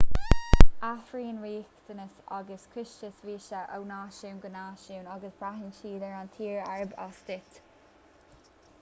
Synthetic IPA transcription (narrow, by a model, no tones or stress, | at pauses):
aθɹiːnɹiːkt̪ənəsaɡəskʰɹɪʃt͡ʃəsviːʃəʔə̰wnaːʃuːnɡənaːʃuwnaɡəsb̥ɹaɦɪnʃiːdəɹant̪ʰiːɹɛɹəba̰sdɪt̪